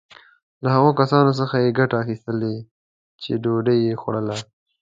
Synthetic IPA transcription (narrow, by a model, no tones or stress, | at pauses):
lahaɣokasɑnos̬əxajeɡaʈaːxist̪əle | t͡ʃeɖoɖəjːexoɽəla